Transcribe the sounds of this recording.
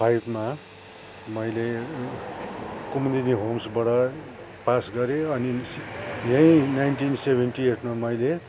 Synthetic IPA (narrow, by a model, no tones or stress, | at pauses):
pʰajbma | mʌjle | kumd̪ineɦomsbʌɽʌ | pasɡʌɾeʌnisjʌ̃jnajnʈinsebʱenʈieʈʰmamʌjle